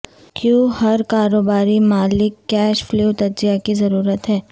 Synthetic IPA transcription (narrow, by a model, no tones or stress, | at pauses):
kjũːhɐɾkaːɾoːbaːɾimaːlɪkːɛːʃfluːt̪ɐɾzijakizɐɾuːɾət̪ɦɛː